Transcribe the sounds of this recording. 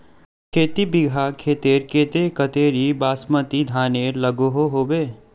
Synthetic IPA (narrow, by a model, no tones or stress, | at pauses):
kʰeːt̪ibɪɡʱakʰeːt̪eːɾkeːt̪ekət̪eːɾibaːsmət̪id̪ʱaːneːɾlɐɡoɦoɦoːbeː